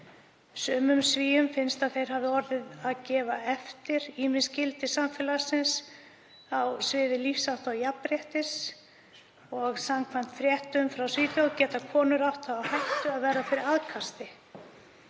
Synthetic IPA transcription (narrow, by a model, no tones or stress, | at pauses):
sœːmʏmsviːjʏmfɪnst̪aðθejɾ̥ɦavðɪɔɾðɪðaðcɛːvaɛft̪ɪɾ̥iːmɪnscɪlt̪ɪsamfɛlasɪns | awsvɪːðɪlifsawht̪awjapɾjɛht̪ɪs | ɔɣsamkʰvam̥t̪fɾjɛht̪ʏmfɾawsviːt̪jowcɛːt̪akʰɔːnʏɾaht̪aawhajht̪ʏaðvɛːɾafɪɾɪɾaðkʰast̪ɪ